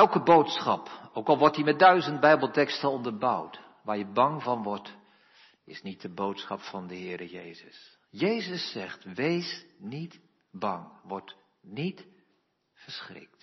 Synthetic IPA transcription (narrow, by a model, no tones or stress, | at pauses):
ɛlˠkəbowtsχɑpowkɑlˠʋɔɹtimɛt̚dœɥzənd̚bɛjbəlˠtɛkstənɔndəɹbʌ̰wt | ʋaːɹjəbɑŋvɑnʋɔɹt | ɪ̰snit̚dəbowtsχɑpfɑndəɦɪːɾəjḛjzəs | jejzəsːɛχtʋejsnit | bɑŋʋɔɹt | nit | fəɹsχrɪ̰k̚t